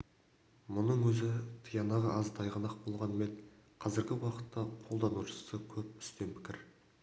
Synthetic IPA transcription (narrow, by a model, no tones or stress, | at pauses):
mʊnəɴwɵzɪt̪ʰəjɑnɑʁəʔɑzt̪ʰɑjʁɑnɑq̚bo̞lˠʁɑnme̞nqʰɑzɪɾɡʲɪwɑqə̥t̪ːɑqʰo̞lˠd̪ɑnuʃə̥səkʲʰɵp̚ʏ̥st̪e̞npʰɪ̥kʲɪɾ